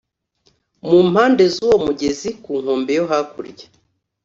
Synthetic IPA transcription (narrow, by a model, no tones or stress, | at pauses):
muːm̥haːnde̞zuːwomuɟe̞zikuːŋ̥oːmbejoɦakuɾɟe